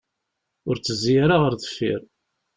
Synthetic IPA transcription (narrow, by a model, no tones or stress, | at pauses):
ʊɾt͡sːəzijaɾaʁəɾðə̥fːḭɾ